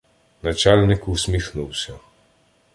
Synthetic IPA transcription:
nat͡ʃalnikuwsmixnuwsɔ

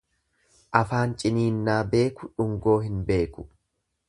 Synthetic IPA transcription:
ʔɐfaːnt͡ʃʼɪniːnːaːbe̞ːkʊᶑʊŋɡo̞ːɦɪnbe̞ːkʊ

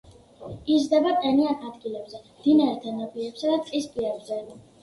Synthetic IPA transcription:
izd̪ɛbaqʼɛnianad̪ɡilɛbzɛmd̪̥inaɾɛt̪ʰɛnɔpʼiɛpsad̪at̪qʼispʼiɛbzɛ

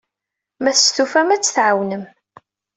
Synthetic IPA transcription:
mæθsθufæmæt͡sːθʕawnəm

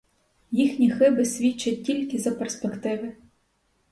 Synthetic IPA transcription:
jixnʲixɪbɪsʲʋʲit͡ʃːɐt̚ʲtʲilʲkɪzɐperspekt̪ɪʋɪ

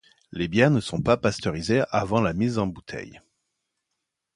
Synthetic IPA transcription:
lebjɛʁnəsɔ̃papast̪ɔʁizeavɑ̃lamizɑ̃but̪ʰɛ̰j

